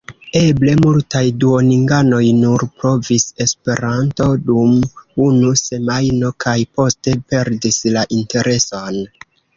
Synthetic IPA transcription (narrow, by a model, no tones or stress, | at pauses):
e̞ble̞multajduoniŋɡano̞jnuɾpɾo̞vise̞spe̞ɾanto̞dumunuse̞majno̞kʰajpo̞ste̞pe̞ɾdislaʔinte̞ɾe̞son